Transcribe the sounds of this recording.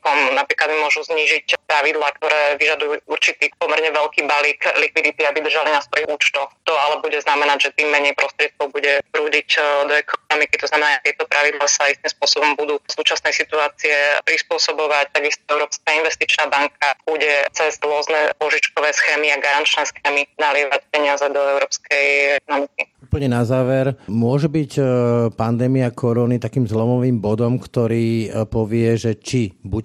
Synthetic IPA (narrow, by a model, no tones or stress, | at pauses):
kɔmnapɾiːklad̪̚mimʊɔʒuzɲiːʒicpɾaʋid̪laːkt̪ɔɾɛːʋiʒad̪ujuːuɾt͡ʃit̪iːpɔmɛɾɲɛʋɛʎkiːbaliklikʋid̪it̪iabid̪r̩ʒalinasʋɔjiɣuːt͡ʃt̪ɔxt̪ɔalɛbuɟɛznamɛnaɟʒɛt̪iːmːɛɲɛjpɾɔst̪ɾɪɛt̪̚kɔʊbuɟɛpɾuːɟicd̪ɔɛkʰɔnɔmikit̪ɔznamɛnat̪jɛt̪ɔpɾʔaʋid̪lasaist̪imspʊɔsɔbɔmbud̪uːsuːt͡ʃasnɛjsit̪uaːt͡siɛpɾispʊɔsɔbɔʋac̚t̪aɡist̪ɔɛʊɾɔːpskainʋɛst̪it͡ʃnaːbaŋkab̥uɟɛt͡sɛzɾʊɔznɛpɔʒit͡ʃkɔʋɛːsxɛːmiaɡaɾant͡ʃnɛːsxɛːminalɪɛʋacpɛɲɪazɛd̪ɔɛʊɾɔːpskɛjɛkɔnɔmikiuːpəl̩ɲɛnazaːʋɛɾmʊɔʒɛbicpand̪ɛːmiakʰɔɾɔnit̪akiːmzlɔmɔʋiːmbɔd̪ɔmkt̪ɔɾiːpɔʋɪɛʒɛt͡ʃibuc